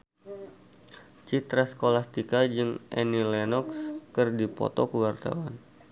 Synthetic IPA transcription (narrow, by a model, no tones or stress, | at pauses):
t͡ʃit̪ɾaskolast̪ikad͡ʒɨŋʔɛnilɛnɔkskɨrdipɔ̰t̪ɔkuwart̪a̰wan